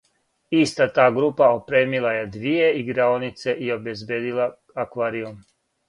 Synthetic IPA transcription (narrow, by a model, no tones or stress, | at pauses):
ist̪at̪aːɡɾupaopɾe̞ːmilajed̪ʋije̞iɡɾaonit̪se̞ʔio̞bezbjeːd̪ila | akʋaːɾium